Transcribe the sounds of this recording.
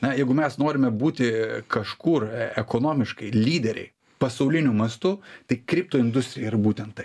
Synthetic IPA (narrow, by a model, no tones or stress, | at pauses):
nɐjɛɪɡʊmʲɛsnoːɾʲɪmʲɛbuːt̪ʲɪkɐʃkurɛkoːnoːmʲɪʃkɐɪlʲiːd̪ʲɛɾʲɛ̰ɪ | pɐsɐʊlʲɪnʲʊmɐst̪ʊt̪ɐɪkɾʲɪp̚t̪oːɪnd̪ʊsʲt̪ʲɾʲɪjɛɪɾɐbuːt̪ʲɛnt̪t̪ːɐɪ